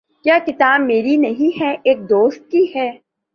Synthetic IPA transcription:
kjaːkɪt̪aːbmeːɾinɐɦĩɦɛʔeːk̚d̪oːst̪̚kihɛː

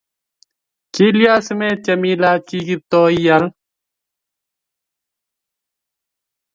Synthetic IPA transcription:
kilijaːsmeːt͡ɕɐmiːlaːt͡ɕiːɡit̪oːijɐl

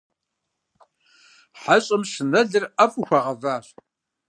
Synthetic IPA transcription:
ħəɕʼəmsənæɮəɾæfuçʷəʁvæθ

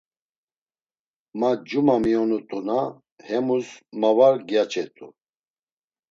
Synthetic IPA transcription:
mad͡ʒumamiɔnut̪ʼuna | hɛmusmavaɾɡjat͡ʃʼɛt̪ʼu

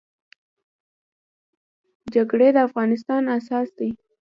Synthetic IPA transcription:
d͡ʒaɡɽed̪əafɣɑnɪs̬t̪ɑnasɑsd̪i

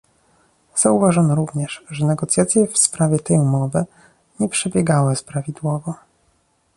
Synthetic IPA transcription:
z̥auvaʐɔnɔɾuvɲɛʂʐɛnɛɡɔt̪sjat̪sʲjɛfspɾavʲjɛt̪ɛjumɔvɘ | ɲɛpʂɛbʲjɛɡawɘspɾavʲid̪wɔvɔ

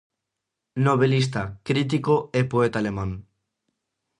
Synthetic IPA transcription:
noβelis̬t̪akɾit̪̬ikoepoet̪aleman

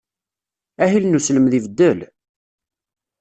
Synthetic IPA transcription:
æɦilnusləmðivəd̪ːəl

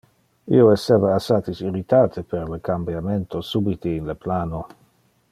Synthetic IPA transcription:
ḭoeseːvaːsaːt̪isiɾit̪aːt̪ʰepeɾlekambjament̪osubit̪iːnleplaːno

